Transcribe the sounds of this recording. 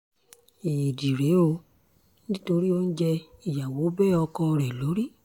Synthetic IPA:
e˨di˨ɾe˨˦o˧ | ni˦ĩ˦to˧ɾi˦o˦n̩˦d͡ʒɛ˧i˨ja˨wo˨˦bɛː˦˨ɔ˧kɔ̃˧ɾɛ˨lo˨˦ɾi˦

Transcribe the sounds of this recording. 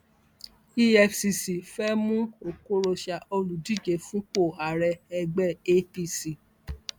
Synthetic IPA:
i˦ɛ˧fsi˧si˨fɛ˦mũ˦o˨ko˦ɾo˧ʃa˧˨o˧lu˨di˦˨d͡ʒe˨fũ˨˦k͡po˦˨a˨ɾɛ˧ɛ˧ɡ͡bɛ˦˨e˦pi˧˨si˨

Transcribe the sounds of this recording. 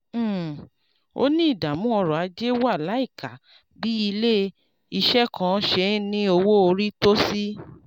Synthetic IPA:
o̰˦nĩ˦i˦˨da˨mũ˨˦ɔ˧ɾɔ˨a˨˧˦d͡ʒe˦wa˦˨la˨˦i˦˨ka˨ | bi˦i˧le˦ | i˧ʃɛ˦kʰã˦ʃe˧˦nĩ˦o˧wo˦o˧ɾi˦to˦si˦

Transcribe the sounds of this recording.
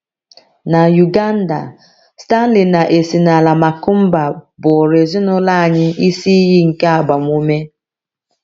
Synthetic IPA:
na˨ju˨ɡa˦n̩˦da̰˨ | sta˦n̩˦lɪ˨na˨ʔe˨si˨na˨la˨ma˨kʊ˦m̩˦ba˨bʊ˨ɾe˨zɪ˦nʊ˦la˦a˨ɲɪ˦i˦si˦i˦ɦi˦ŋ̩˨ke˦a˨ba˨m˦u˦me˦

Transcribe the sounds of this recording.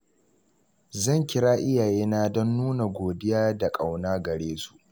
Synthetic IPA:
zɐ˦˨ŋkʲɪ˦ɽaː˦ʔɪ˦jaː˨jeː˦na˦dɔ˦nːuː˦na˨ɡʷoː˨dɪ˦jaː˦da˨kʼa˨wnaː˦ɡɐ˨ɽeː˦su̥˨ʔ

